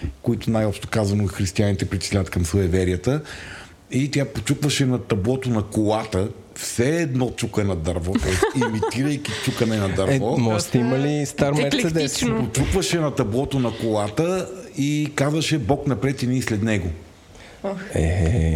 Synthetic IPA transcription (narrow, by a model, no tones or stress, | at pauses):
koit̪ʊnajɔpʃt̪o̥kazvɐnoxɾist̪ianit̪ɛpɾit͡ʃi̥slʲaɐt̪̚kɐmslˠɐɛvɛɾijət̪ə | it̪ʲjapot͡ʃukvəʃɛnɐt̪ɐblˠɔt̪onɐkolˠat̪ə | fsɛːd̪nɔt͡ʃukənɐd̪ɐɾvɔt̪ɔɛst̪ivit̪iɾəjk̟it͡ʃukənɛnɐd̪ɐɾvɔmɔʒst̪ɛimɐlist̪aɾmɛɾssɛd̪ɛspot͡ʃukvəʃɛnɐt̪ɐblˠɔt̪onɐkolˠat̪əikazvəʃɛbɔknɐpɾɛt̪iniislɛd̪nɛɡo | ɛ̰ɦɛɛ